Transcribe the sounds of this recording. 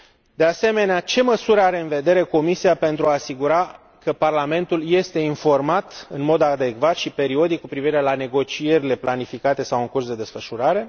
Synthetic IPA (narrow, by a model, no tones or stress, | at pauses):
d̪e̞ase̞me̞neat͡ʃe̞məsuɾəaɾe̞ɨnve̞d̪e̞ɾe̞ko̞misiape̞nt̪ɾuaːsiɡuɾa | kəparlame̞nt̪ulje̞st̪e̞info̞rmat̪ɨnmo̞d̪ad̪e̞kvat̪ʃipe̞ɾio̞d̪ikkːupɾiviɾe̞lane̞ɡo̞t͡ʃie̞ɾile̞planifikat̪e̞sawɨŋkursd̪e̞d̪e̞sfəʃuɾaɾe̞